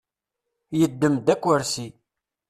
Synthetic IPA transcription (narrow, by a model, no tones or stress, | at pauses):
jəd̪ːəmd̪ækʷːəɾsi